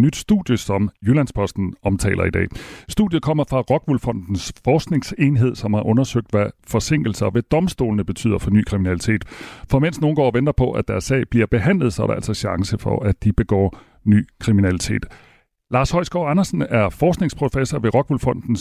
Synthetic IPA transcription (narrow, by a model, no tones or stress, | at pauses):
nyd̥sd̥ṵd̥ˠjəsɒ̽mjølænspʰɒ̽sd̥n̩ɒ̽mt͡sʰɛ̰ːlʔɐid̥ɛ̰ːsd̥ṵðdˠjð̞̩ˠkʰɒ̽m̰ɐfʁɑ̈ʁɒ̽ɡ̥ʋulfɒ̽n̰d̥n̩sfɒːsɡ̥ne̝ŋse̝nɦe̝ð̞̰ˠsɒ̽mhɑ̈ʔɔ̽nɐsøɡ̥̚d̥ʋæfɒ̽se̝ŋ̰ɡ̥l̩sɐɒʋæd̥ɒ̽msd̥o̝̰ːlənəb̥e̝t͡sʰy̰ð̰ˠɐfɒ̽ny̰ːkʰʁiminælit͡sʰe̝̰ːd̥fɒ̽men̰sno̝ːn̩ɡ̥ɒ̰ːʋend̥ɐpʰɒ̽ʔæd̥æɐsɛ̰ɪb̥liɐb̥e̝ɦæn̰lðˠsɒ̽ɾ̥eæ̰l̰sɒ̽ɕɑ̈ŋsəfɒ̽ʔæ̥d̥ib̥e̝ɡ̥ɒ̰ː | ny̰ːkʰʁiminælit͡sʰe̝̰ːd̥ | lɑ̈ːshɒ̽ɪsɡ̥ɒ̰ɑnɐsn̩æɐfɒːsɡ̥ne̝ŋspʰʁo̝fesɒʋe̝ʁɒ̽ɡ̥ʋulfɒ̽n̰d̥n̩s